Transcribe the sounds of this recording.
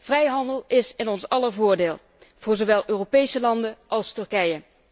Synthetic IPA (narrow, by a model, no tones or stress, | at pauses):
v̥rɛjɦɑndəlˠɪsɪnɔnsɑləɹvʊːɹdeːlˠ | v̥ʊːɹzoʋɛlˠøːropejsəlɑndəʔɑlˠstɵɹkɛjə